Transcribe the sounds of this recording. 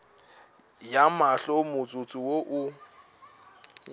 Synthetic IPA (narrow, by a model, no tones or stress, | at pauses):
jamaɬɔmʊt͡sʼʊt͡sʼiwoʔʊ